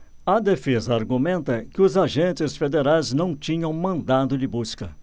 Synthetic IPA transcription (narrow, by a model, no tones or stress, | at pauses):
ɐd̪efezɐaɾɡumẽnt̪ɐkɪʊzaʒẽnt͡ʃɪsfed̪eɾajznɐ̃w̃t͡ʃĩɲɐ̃w̃mɐ̃nd̪ad̪ʊd͡ʒɪbuskɐ